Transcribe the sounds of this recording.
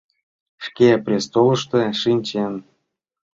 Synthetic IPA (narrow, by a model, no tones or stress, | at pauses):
ʂkeprʲest̪olɤ̆ʃt̪ĕʃinʲt͡ɕen